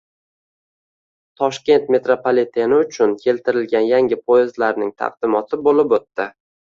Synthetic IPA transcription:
t̪ʰɒʃkʲe̞nt̪me̞t̪ɾopʰalet̪ʰenɪʊt͡ʃʰʊnkʲʰe̞lt̪ʰɪɾɪlɡʲanjaŋʲɪpʰoɪzlaɾnɪŋt̪ʰɑ̰qd̪ɪmɒt̪ʰɪbolɪpot̪ːɪ

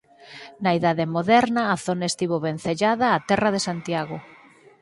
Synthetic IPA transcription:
naiðaðemoðɛɾnɐːθonaest̪iβoβen̟θeʎaðaːt̪ɛrɐðesant̪jaɣo

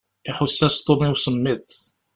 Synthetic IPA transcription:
iħʊsːæst̪ˤomiwsəmːit̪

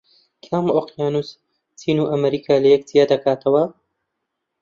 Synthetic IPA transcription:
kʰamoqjaːnus | t͡siːnuʔɐmɐɾiːkʰaːlɐjɛk̚tʰijad̪ɐkʰaːt̪ʰɐwɐ

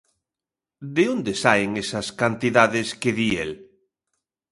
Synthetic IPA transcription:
d̪eond̪esaeŋesaskant̪iðaðeskeðiḛl

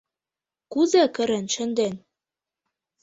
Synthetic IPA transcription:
kuzækɘ̆ɾɘ̆nʃɘ̆nd̪en

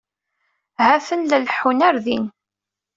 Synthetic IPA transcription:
hæfənləlħunæɾðin

